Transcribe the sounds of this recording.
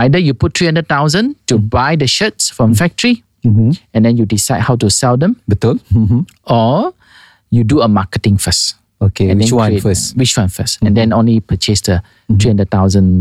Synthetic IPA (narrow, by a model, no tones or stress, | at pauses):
aɪdəjuput̚tʰːɹihãndəd̚t̪aʊzə̃ntubajdəʃət̚sfɹɔ̃mfɛk̚təɹi | ɛ̃ndɛ̃njudisaɪd̚haʊtusɛldɛ̃mbitɔ | ɔ | juduəmakətɪ̃ŋfəs | okeɛ̃dɛ̃ãifəwit͡ʃwãnfəsɛ̃ndɛ̃nõnlipət͡ʃesdə | t̪ɹihãndəd̚t̪aʊzə̃n